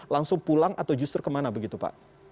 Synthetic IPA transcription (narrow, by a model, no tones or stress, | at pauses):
laŋsʊŋpulaŋʔat̪awd͡ʒust̪ərkəmanabəɡit̪upa̰ʔ